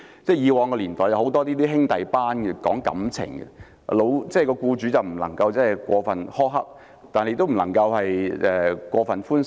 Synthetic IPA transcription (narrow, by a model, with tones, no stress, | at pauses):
t͡sɛː˥˩jiː˨˧wɔː˨˧ŋkɔː˧liː˨˩nt̪ɔː˨˩jɐ˧who˨˥wt̪ɔː˥t̪iː˥t̪iː˥ɦɪ˥ŋt̪ɐ˨jpaː˥nɡɛ˧kɔː˨˥ŋkɐ̰˨˥mt͡sʰɪ̰˨˩ŋɡɛ̰˧ | lo˨˧wt͡sɛ˥˩jkɔː˧kuː˧t͡ʃyː˨˥t͡sɐ˨wm̩˨˩lɐ˨˩ŋkɐ˧wt͡sɐ˥ɦɐ˨˩jkʷɔː˧fɐ˨nhɔː˥ɦɐ˥p̚ | t̪aː˨ne˨˧t̪m̩˨˩lɐ˨˩ŋkɐ˧whɐ˨jɛː˨˧kʷɔː˧fɐ˨nfuː˥n